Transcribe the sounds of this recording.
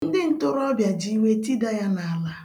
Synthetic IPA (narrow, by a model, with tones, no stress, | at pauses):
n̩˦dɪ˦n̩˦tʊ˦ɾɔ˦bja˨d͡ʒi˦we˦ti˦da˦ja˦na˨a˨la˦